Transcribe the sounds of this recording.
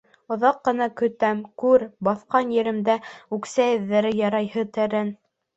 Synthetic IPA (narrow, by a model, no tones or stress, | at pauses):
ŏðɑqːɤ̆nɑkɵ̆t̪æmkʉɾbɑθqɑnjɘ̆ɾɘ̆md̪æʉksæɘ̆ðːæɾɘjɑɾɑjhɤt̪æ̆ɾæn